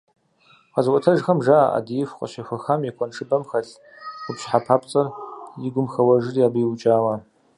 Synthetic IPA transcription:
qɐzɨkʷʼɔtʰɐʒxɐmʒaːʔa̰dijɪfʷqʼɔ̰ɕɐxʷɐxamjɛkʷʰʼɔnʈ͡ʂʰɨbɐmxɐɬ | qʷʊpɕħapʰaːpt͡sʼɐrjɪɡʷʊmxɐwɐʒɨrjaːbɨjwt͡ʃʼaːʁɐ

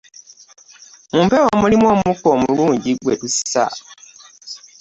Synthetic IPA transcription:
muːmpewomulimwoːmukoːmuluːɲɟiɡwe̞tusa̰

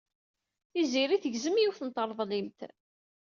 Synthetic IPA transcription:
θiziɾiθəʝzəmjuwθənt̪ːəɾˤðˤlimt̪

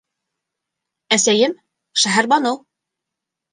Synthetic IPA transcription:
æsæjɘm | ʃæɦæɾbɑnɤw

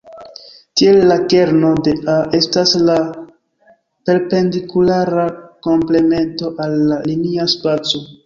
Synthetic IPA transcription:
tie̞lːake̞ɾno̞de̞aʔe̞stasla | pe̞ɾpe̞ndikulaɾako̞mple̞me̞nto̞ʔalːaliniaspat͡so̞

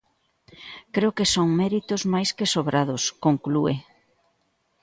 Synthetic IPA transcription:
kɾeokesoŋmɛɾit̪ʊzmajskesoβɾaðʊskoŋklue

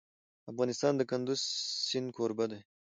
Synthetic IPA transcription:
afɣɑːnɪst̪ɑnd̪əkand̪uzsɪn̚kʰoːɾbad̪e

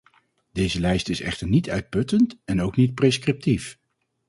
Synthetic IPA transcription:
d̥ejzəlɛjstɪsɛ̰χtəɹnitœɥt̚pɵtəntɛnowknit̚preskrɪp̚tif

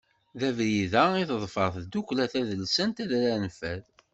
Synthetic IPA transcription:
ðævɾiðæiθðˤfəɾθd̪uklæθæðəlsənt̪æðɾænfæð

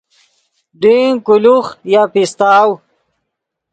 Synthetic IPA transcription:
ɖiŋkuluχjapist̪aːw

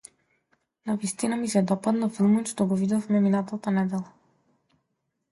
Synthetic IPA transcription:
navist̪inamisɛd̪ɔpad̪nafilˠmɔnʃt̪ɔɡɔvid̪ɔfmɛminat̪at̪anɛd̪ɛlˠa

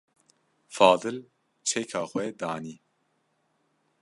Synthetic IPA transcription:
fɑːd̪ɨl | t͡ʃʰɛkʰɑːxʷwɛd̪ɑːniː

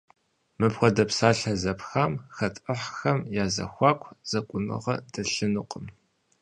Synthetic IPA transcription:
mɨpxʷɔdɐpsaːɬɐzɐpxaːmxɐtʼəħxɐmjaːzɐ̰xʷɑːkʷʰz̥ɐkʷʼʊnɨ̰ʁɐdɐɬɨnɨqʼəm

